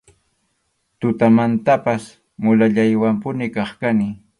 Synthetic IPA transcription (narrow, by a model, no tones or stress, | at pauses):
t̪ʊt̪amant̪apas | mʊlaʎajwampʊnɪkɑχkanɪ